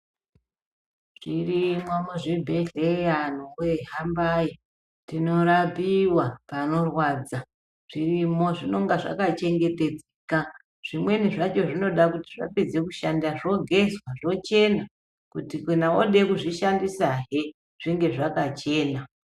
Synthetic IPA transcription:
ʐ̥irimwamuʐibʱeɮejanuweɦambaji | tino̞ɾapiwapano̞rwad͡za | ʐ̥irimo̞ʐino̞ŋɡaʐa̰kat͡ʃe̞ŋɡe̞te̞d͡zeka | ʐ̥imwe̞niʐat͡ʃo̞ʐino̞ɗakutiʐa̰ped͡zekuʃandaʐo̞ɡʱe̞zwaʐo̞t͡ʃe̞na | kutikinaoɗe̞kuʐiʃandisaɦe | ʐ̥iŋɡe̞ʐakat͡ʃe̞ːna

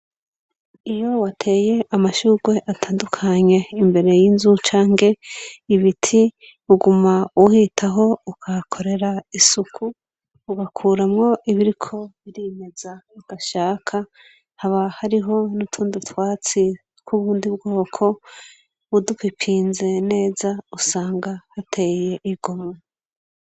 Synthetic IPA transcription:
ijo̞watʰe̞ːje̞ʔamaʃuːɡwe̞ʔatʰaːndukʰaɲe̞imbe̞ɾe̞jinzut͡ʃaːŋɡe̞iβitʰi | uɡumauhitʰaɦo̞ukʰakʰo̞ɾe̞ɾaisukʰuː | ɡakʰuːɾamŋo̞ʔiβiɾikʰo̞βiɾime̞z̥aiɡ̥aʃaːkʰa | haβahaɾiɦo̞nutʰuːndutwaːt͡si | kʰuβuːndibɡo̞ːkʰo̞ | βudukipʰiːnze̞ne̞ːzausaːŋɡahatʰe̞je̞ʔiɡ̥omŋe

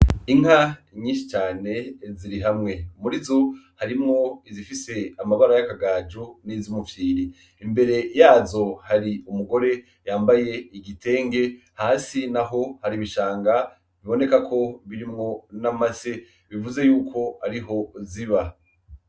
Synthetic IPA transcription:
iŋ̥a | ɲiːnʃi̥t͡ʃaːne̞ziɾiɦamŋe̞muɾizo̞haɾimŋo̞izifise̞amaβaɾajakaɡaːd͡ʒunizimufjiːɾiː | mbe̞ɾe̞jaːzo̞haɾiumuɡo̞ɾe̞ | jaːmbaje̞iɡitʰe̞ːŋɡe̞ | haːsinaɦo̞haɾiβiʃaːŋɡa | βiβo̞ne̞kakʰo̞βiɾimŋo̞namase | βivuze̞juːkʰo̞haɾiɦo̞ziβa

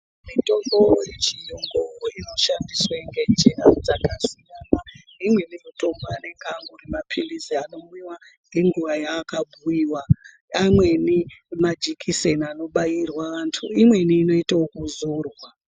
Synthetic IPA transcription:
mito̞mɡojet͡ʃijoŋɡooino̞ʃandiswaŋɡe̞d͡ʒenad͡zakasijaːnanimwe̞nijuto̞mbane̞ŋɡaŋɡurimapʰiliziano̞miwa | ŋɡe̞ŋɡuʋajaːkabʱuiwa | amwe̞nimad͡ʒikʰisenano̞ɓajirwaʋantʰuimwe̞niːno̞itaokuzurwa

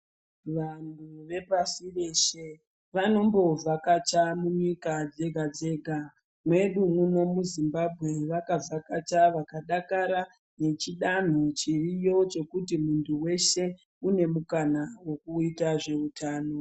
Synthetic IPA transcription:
ʋanduʋe̞pasire̞ːʃe | ʋano̞mbo̞vʱakat͡ʃamuɲikad͡ze̞ɡʱad͡ze̞ːɡʱa | mwe̞ɗumuno̞muzimbabʱɣe̞ʋakavakat͡ʃaʋakaɗakaɾa | ne̞t͡ʃiɗan̤ot͡ʃirijo̞t͡ʃo̞kutimuntʰuwe̞ʃe̞ | une̞mukanawo̞kuitaʐe̞utʰaːno̞

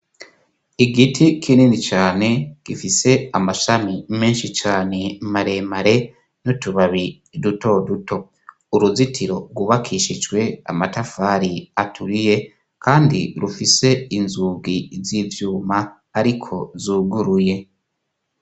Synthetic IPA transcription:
iɡitʰikʰininit͡ʃaːne̞ɡ̥ifise̞amaʃamime̞ːnʃit͡ʃaːne̞maɾe̞maɾe̞ | nutuβaβi | duto̞duto̞ | uɾuzitʰiɾo̞ɾɡuβakʰiʃid͡ʒɡwe̞a̰matafaɾiatʰuɾije̞ | kaːndḭɾufise̞inzuːɡiziːvjuːma | aɾikʰo̞zuːɡuɾuje̞

